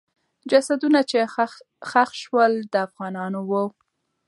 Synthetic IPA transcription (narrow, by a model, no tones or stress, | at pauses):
d͡ʒasad̪unat͡ʃe | xaxʃwəld̪əafɣɑnɑnowə